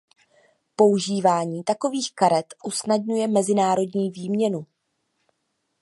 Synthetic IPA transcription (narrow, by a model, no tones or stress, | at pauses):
po̞uʒiːvaːɲiːt̪ako̞viːxkaɾɛt̪ʔusnadɲujɛmɛzɪnaːɾo̞dɲiːviːmɲɛnu